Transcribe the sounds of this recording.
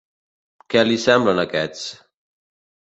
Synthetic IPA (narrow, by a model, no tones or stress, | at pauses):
kɛlisɛmblənəkɛt͡s